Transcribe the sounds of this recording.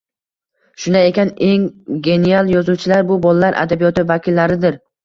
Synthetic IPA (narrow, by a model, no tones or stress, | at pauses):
ʃʊnae̞kʲʰane̞ŋɡʲe̞nijalˠjɒzuwt͡ʃʰɪlaɾbʊbɒlˠalaɾʔa̰d̪abijɒt̪ɪvakʲɪlːaɾɪd̪ɪɾ